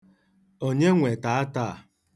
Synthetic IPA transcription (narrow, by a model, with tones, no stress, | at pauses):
o˦ɲe˦ŋʷe˨ta˨a˦ta˦˨